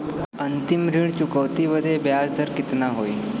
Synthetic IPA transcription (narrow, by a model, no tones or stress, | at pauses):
ənt̪imɾiɽt͡ɕukəwt̪iʋəd̪ʱebjasd̪ʱəɾkɪt̪naɦoːi